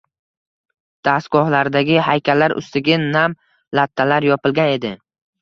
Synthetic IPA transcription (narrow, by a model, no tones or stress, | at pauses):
d̪̥asɡɒhlaɾd̪aɡʲɪhajkʲʰalːaɾʔʊ̰st̪ɪɡʲɪnam | lat̪ʰːalaɾjɒpɪlɡʲane̞d̪ɪ